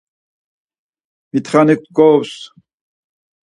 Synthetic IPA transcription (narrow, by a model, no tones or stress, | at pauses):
mit̪ʰχanik̚t̪kɔws